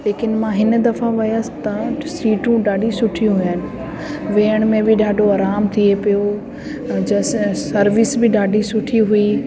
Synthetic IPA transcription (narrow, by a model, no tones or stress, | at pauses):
leːkɪnmãɦɪnd̪ɐfaʋɐjasɪ̥t̪ɐsiːʈũɖaːɖisʊʈʰijũɦʊjənɪ | ʋeːəɽ̃mẽbɪɖaːɖʱoaːɾaːmt̪ʰiepijo | d͡ʑɐssɐɾʋɪsbɪɖaːɖʱisʊʈʰiɦui